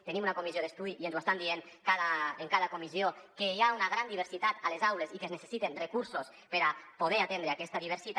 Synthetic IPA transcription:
t̪enimunakomizjoðest̪uðiʔienzwest̪and̪ieŋ | kaðaeŋkaðakomiziokejaunaɣ̞ɾand̪iβ̞eɾsit̪at̪alezawlezikeznese̥sit̪enrekuɾsos | peɾapoð̞eɾat̪end̪ɾeakɛst̪aðiβ̞eɾsit̪

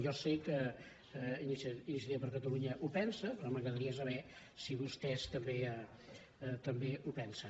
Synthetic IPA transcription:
jɔsekə | inisinis̬iipəɾkət̪əluɲəʔupɛnsəpɾɔməɣɾəðəɾiəs̬əβɛ | siβust̪ɛst̪əmbe | t̪əmbeupɛnsə

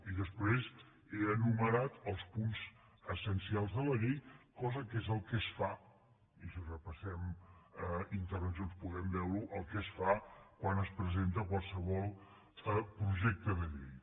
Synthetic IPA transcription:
iðəspɾez | eənuməɾat̪əlˠspunz̥ | əsənsialˠzðələʎejkɔzəkezəlˠkɛsfa | isərəpəsɛməint̪əɾβənsjonspuɣɛmbɛwɾuʔəlˠkɛsfakwanəspɾəzent̪əkwalˠsəβ̞ɔlˠ | əpɾuʒɛk̚t̪əðəʎḛj

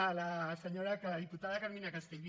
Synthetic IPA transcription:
alaseɲoɾakaðiput̪aðakaminakast̪eŋɡi

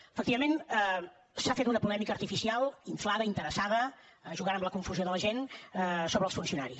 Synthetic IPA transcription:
əfəkt̪iβəmenə | safet̪unəpulɛmikəːɾt̪ifisialˠiɱflaðəint̪əɾəsaðə | ʒuɣanəmləkuɱfuzjoðələʒensoβɾəːlˠsfunsiunaɾi

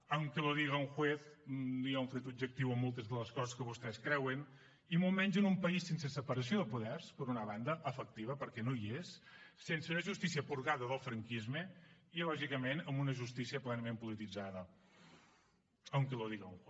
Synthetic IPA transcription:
əwŋkəloðiɣəuŋxweθniaũɱfɾet̪ub̚d͡ʒək̚t̪iwəmːolˠt̪əzðələskɔzəskəβust̪ɛskɾɛwən | imolˠmɛɲʲd͡ʒənumpəisːensesəpəɾəs̬ioðəpuðɛɾspəɾunəβand̪əʔəfək̚t̪iβ̞əpəɾkɛnojesːenseunəʒust̪isiəpuɾɣaðəðəlˠfɾəŋkizmeilɔʒikəmenəmbunəʒust̪isiəplɛnəmempulit̪id͡zaðə | əwŋkəloðiɣəuŋx

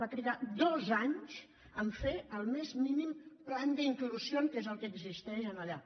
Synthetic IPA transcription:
bat̪ɾiðad̪ozaɲs | əɱfeəlˠmezminimpland̪əiŋkluzjoŋkezəlˠkəːɡzist̪ɛʃənəʎa

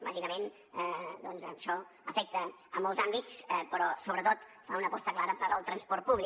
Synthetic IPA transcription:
ba̰ʒikəmen | d̪ɔnzəʃɔ | əfɛk̚t̪əː | mɔlˠzambit͡spəɾɔsoβɾət̪ot̪faunəpɔst̪əklaɾəpəɾəlˠt̪ɾənspɔrt̪̚puβli

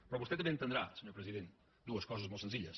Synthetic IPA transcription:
pɾɔβust̪et̪ːɐmbẽnt̪ənd̪ɾasəɲoɾpɾəziðent̪ | d̪uəskɔzəzmot̪sə̃nziʎəs

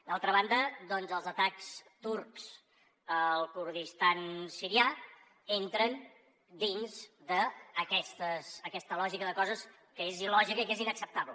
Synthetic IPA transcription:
d̪alˠt̪ɾəβ̞and̪əd̪ɔnzəlˠzət̪akst̪uɾkz̥ | əlˠkuɾðist̪ansiɾia | ent̪ɾən | d̪inzd̪əːkɛst̪əsəkɛst̪əlɔʒikəðəkɔzəs | kəezilɔʒikəikezinəksəp̚t̪aβlə

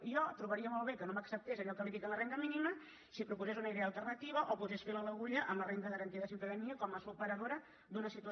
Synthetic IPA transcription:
iɔt̪ɾuβəɾiəmɔlˠβ̞ekənoməksəp̚t̪ezɐʎɔkəlifikələrend̪əminimə | sipɾupuzezunəiðealˠt̪ərnət̪iβ̞əʔopuzesfelələɣuʎəʔəmlərent̪əðəɾənt̪iəðəsinfɾəɣəniəkɔmləsupəɾəðoɾə | d̪unəsit̪uə

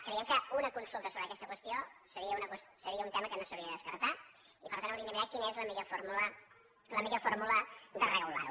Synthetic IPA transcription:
kɾeieəmkaunəkunsulˠt̪əsoβɾəkɛst̪əkwəst̪iosəɾiəunəkwəssəɾiəunt̪ɛməkənosəwɾiəðəðəskəɾt̪a | ipəɾt̪anwɾinəmiɾakinəezləmiʎəfoɾmulə | ləmikəfoɾmuləd̪ərɛɣula̰ɾṵ

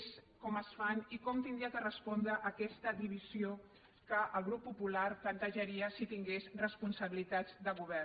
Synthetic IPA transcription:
skɔməsfanikɔmt̪ind̪ɾiakərəspɔnd̪ɾəʔːkɛst̪əd̪iβ̞izio | kəʔəlˠɣɾupːupulaɾplənt̪əʒəɾiəsit̪iŋɡesrəspunsəβilit̪add͡zd̪əɣuβɛr

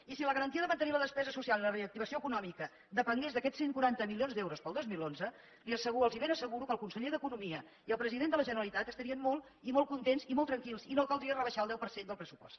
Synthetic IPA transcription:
isiləɣəɾənt̪iəðəmənt̪əniləðəspɛzəsusialiləreək̚t̪iβ̞əsioəkunɔmikə | d̪əpəŋɡezðəkɛseŋkuɾant̪əmilionzd̪ɛwɾuspəlˠd̪ozmilˠonzə | liəsəɣuəlˠziβenəsəɣuɾukəlˠkunsəʎeðəkunumiə | iəlˠpɾəziðend̪ələʒənəɾəlit̪at̪əst̪əɾiənmɔlˠ | imɔlˠkunt̪enzimolˠt̪ɾəŋkilˠsinokəlˠd̪ɾiərəβəʃalˠd̪ɛwpəɾsend̪əlˠpɾəsupɔ̰st̪

